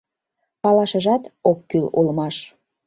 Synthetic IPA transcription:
pɑlɑʃə̆ʒɑt̪okːylulmɑʃ

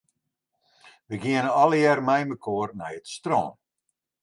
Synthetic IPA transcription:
ʋəɡiənəɔləjɛrmɛjməkʰoːrnɛjətstro̰ːn

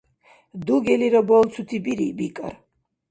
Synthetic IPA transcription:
d̪uɡɛliɾɔbɔlt̪sʰut̪ʰibiɾḭbikʼa̰ɾ

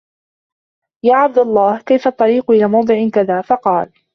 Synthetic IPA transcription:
jaːʕab̚d̪alˤːɑːhkajfaʔt̪ˤːɑɾiːqʊʔɪlaːmɑwd̪ˤɨʕɪkaðaːfɑqɑːl

